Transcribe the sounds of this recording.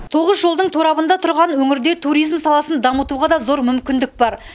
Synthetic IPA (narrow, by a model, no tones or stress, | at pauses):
t̪ʰo̞ʁəzʒo̞lˠd̪əɴt̪ʰoɾɑbənd̪ɑt̪ʰʊɾʁɑnwɵŋɪɾd̪et̪ʰuɾijzmsɑlˠɑsənd̪ɑmət̪uʁɑd̪ɑzo̞ɾmʏmkʲɪnd̪ɪk̚bɑɾ